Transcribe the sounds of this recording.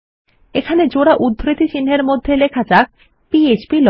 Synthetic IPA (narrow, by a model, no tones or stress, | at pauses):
ekʰaned͡ʑoɽaʔud̪ʱːɾit̪it͡ɕinɦeɾmod̪ʱːelekʰad͡ʑak̚ | piet͡ɕbilɔ